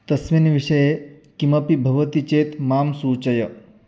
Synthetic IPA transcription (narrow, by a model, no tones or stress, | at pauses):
t̪ɐsʋinʋiʂɐje | kimɐpibʱɐʋɐt̪it͡ʃeːt̪maːmsuːt͡ʃɐjɐ